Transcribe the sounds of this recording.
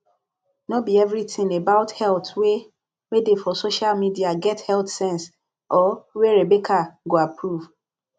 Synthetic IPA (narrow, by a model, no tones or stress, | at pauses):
nobiɛvɹitɪ̃ŋebaʊthɛltwe | wedefɔsoʃalmidiaɡɛthɛltsɛ̃ns | ʔɔweɹebekʰaɡoapʰɹuv